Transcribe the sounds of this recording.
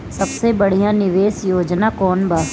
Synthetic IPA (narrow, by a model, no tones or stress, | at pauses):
sɐbsebɐɽ̤ijãnɪʋeːsjoːd͡ʒnakɔːnbaː